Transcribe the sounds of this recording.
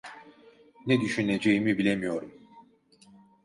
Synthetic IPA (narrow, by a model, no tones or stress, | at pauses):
nɛd̪yʃyne̞d͡ʒejimibilʲemijo̞ɾum